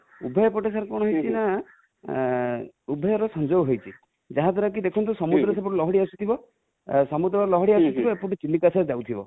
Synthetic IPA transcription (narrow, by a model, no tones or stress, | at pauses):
ubʱɔjɔpɔʈesaɾkɔɽ̃ɔɦojt͡ʃʰina | ubʱɔjɔɾɔsɔnd͡ʒobɦojt͡ʃʰi | d͡ʒaɦãt̪ʰɔɾɔk̬id̪ekʰɔnt̪usɔmud̪ɾɔs̬abɔʈulɔɦɔɽiasut̪ʰibɔ | sɔmud̪ɾɔɾɔlɔɦɔɽiasut̪ʰibɔepuʈut͡ʃilːikasad͡ʒawt̪ʰibɔ̰